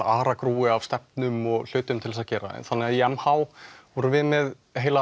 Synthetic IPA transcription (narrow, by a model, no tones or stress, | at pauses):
aːɾakɾuːɪavst̪ɛp̚nʏmɔɣl̥ʏːt̪ʏmt̪ʰɪlsaðcɛːɾa̰ɛ̰nθanːɪaðijɛmhawvɔɾʏvɪðmɛð | ɦeːjla